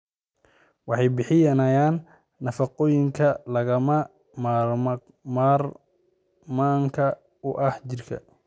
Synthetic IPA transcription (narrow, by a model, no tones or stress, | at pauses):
wɑħɑjbɪħɪjɐnɐjaːnː | ɐfɑqɔːjɪŋkʰɐlɐɣɐmɐ | maːr | maːr | maːŋkʰɐ | ʊʔɐht͡ʃɪrkʰɐ̰